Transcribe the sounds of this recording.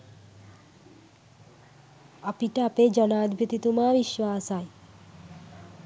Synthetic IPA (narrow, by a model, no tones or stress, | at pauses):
apiʈeaped͡ʒənaːd̪ʱbʱit̪it̪umaʋiʃʋaːsaj